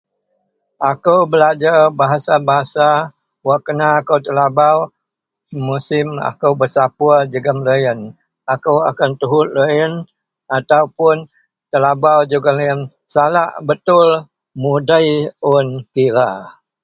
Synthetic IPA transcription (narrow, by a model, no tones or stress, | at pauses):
ʔakəwbəlad͡ʒarbaɦasabaɦasa | waʔkənaːkəwt̪əlabaw | musɪma̰kəwbərsapuəd͡ʒəɡəmləjən | akəwa̰kant̪uɦʊt̪̚ləən | at̪awpʊn | t̪əlabawd͡ʒuɡaləən | salaʔbət̪ʊl | mudəjʊnkiɾa